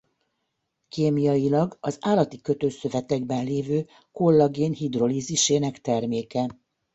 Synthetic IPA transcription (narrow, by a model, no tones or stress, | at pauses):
keːmijɒjilɒɡɒzaːlɒt̪ikø̞t̪øːsø̞vɛt̪ɛɡbɛnleːvøː | ko̞lːɒɡeːnhid̪ro̞liːziʃeːnɛkt̪ɛrmeːkɛ